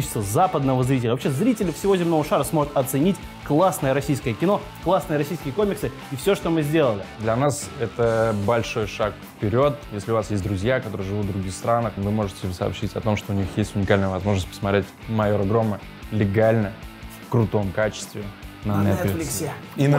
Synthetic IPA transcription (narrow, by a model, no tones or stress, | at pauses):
t͡ɕɪst̪əzapəd̪nəvəzɾʲit̬ʲɪlʲəvɐpɕʲezɾʲitʲɪlʲɪfsʲɪvo̞zʲɪmnovəʂaɾəsmo̞ʐʊt̪ɐt̪sɨnʲitʲ | klˠasnəjəɾɐsʲijskəjəkʲɪno̞ | klˠasnɨəɾɐsʲijskʲɪjəkomʲɪksɨ | ifsʲoʂt̪o̞mɨzʲdʲe̞lˠəlʲɪd̪lʲɐnasɛt̪əbɐlʲʂo̞jʂakfpʲɪɾʲo̞t̪jesʲlʲɪʊvasjesʲt̚ʲd̪ɾʊzʲjakɐt̪o̞ɾɨjəʐɨvut̪vd̪ɾʊɡʲixst̪ɾanəxvɨmo̞ʐɨtʲɪsə̰pɕitʲɐ̰t̪o̞mʂt̪oʊnʲixjesʲtʲʊnʲɪkalʲnəjəvɐzmo̞ʐnəsʲt̚ʲpə̥smɐt̪ɾʲetʲmɐjoɾəɡɾo̞mːə | lʲɪɡalʲnəfkɾʊt̪o̞mkat͡ɕɪ̥st̪vʲɪnɐnɛt̪fʲlʲ